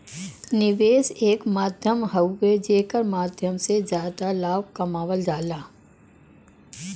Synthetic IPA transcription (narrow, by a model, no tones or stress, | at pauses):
nɪʋeːseːkmaːd̪ʱjəmɦəwːed͡ʒeːkəɾmaːd̪ʱjəmsezjaːd̪alaːʋkɐmaːʋəld͡ʒaːlaː